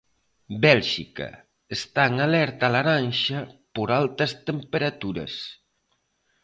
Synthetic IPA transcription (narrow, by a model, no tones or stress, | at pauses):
bɛlʒikɐ̰ | est̪aŋalɛɾt̪alaɾanʃapoɾalt̪ɐst̪empeɾat̪uɾɐ̰s